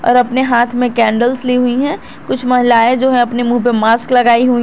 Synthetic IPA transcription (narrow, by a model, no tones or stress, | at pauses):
ɔ̰ːɾɐpneɦaːt̪ʰmẽkɛ̃ːɳɖəlsliɦuiɦɛ̃ | kʊt͡ʃʰmɐɦɪlaːẽd͡ʒoːɦɛ̃ɐpnemũːpemaːsklɐɡaːiɦui